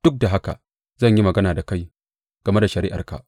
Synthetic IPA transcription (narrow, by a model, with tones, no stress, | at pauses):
d̥ʊ˦k̚da˨ɦa˦ka̰˨ | zɐ˦˨ɲji˦mɐ˨ɡɐ˦naː˨da˨ka˦j | ɡ̥ɐ˨me˦da˨ʃɐ˨ɾiː˦ʔa̰˨rka̰˨ʔ